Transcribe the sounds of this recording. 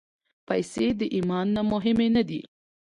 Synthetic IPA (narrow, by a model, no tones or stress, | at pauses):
pajsed̪əʔimɑnːamʊɦɪmenad̪ḭ